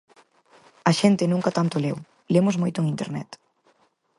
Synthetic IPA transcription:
ɐʃent̪ɪnũŋkat̪ant̪olew | lemozmojt̪oŋĩnt̪ḛɾnɛt̪

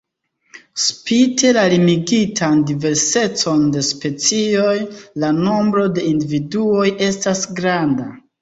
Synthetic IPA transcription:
spite̞lalimiɡitʰandive̞ɾse̞t͡so̞nde̞spe̞t͡sio̞jlano̞mbɾo̞de̞individuo̞je̞stasɡɾanda

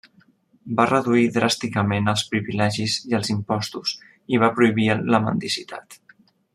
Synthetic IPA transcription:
barəðuiðɾast̪ikəmenəlˠspɾiβilɛʒiziəlˠzimpɔst̪us | iβ̞apɾuiβ̞iləmə̰nd̪isit̪a̰t̪

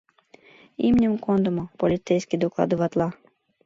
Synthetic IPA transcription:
ḭmnʲimkɔnd̪ɔmʊpɔlʲit̪sɛjsʲkʲid̪ɔklˠɑ̰d̪ɪʋat̪lˠɑ

